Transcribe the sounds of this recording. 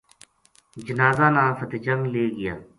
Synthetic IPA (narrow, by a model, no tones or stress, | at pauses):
d͡ʒənaːzaːnãːfət̪eːt͡ʃəŋɡleːɡɪjaː